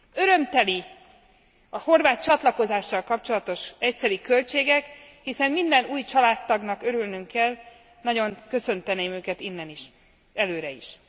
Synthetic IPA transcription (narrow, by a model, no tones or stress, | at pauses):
ø̞ɾø̞mt̪ɛli | ɒho̞rvaːt̪̚t͡ʃɒt̪lɒko̞zaːʃːɒlkɒp̚t͡ʃo̞lɒt̪o̞ʃɛcsɛɾikø̞lt͡ʃeːɡɛkhisɛnːind̪ɛnuːjt͡ʃɒlaːt̪ːɒɡnɒkø̞ɾylnyŋkːɛl | nɒɟo̞ŋkø̞sø̞nt̪ɛneːmøːkɛt̪inːɛniʃ | ɛløːɾɛḭʃ